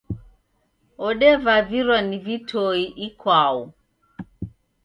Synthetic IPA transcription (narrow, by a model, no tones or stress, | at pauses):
ɔɗɛvaviɾwanivitʰɔiʔikʰwau